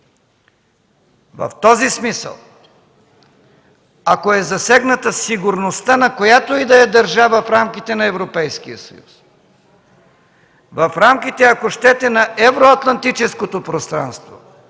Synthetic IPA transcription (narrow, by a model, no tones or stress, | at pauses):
vɐ̰ft̪ɔzismisə̰lˠ | akoɛzɐsɛɡnɐt̪ɐsiɡʊɾnost̪anɐkojat̪oid̪ɐjɐd̪ɐɾʒavɐfɾamkit̪ɛnɐɛvɾopɛjskijəsɐ̰jṵs | vɐfɾamkit̪ɛɐkoʃt̪ɛt̪ɛnɐʔɛvɾoɐt̪lˠɐnt̪it͡ʃɛskot̪opɾost̪ɾa̰nst̪vo̰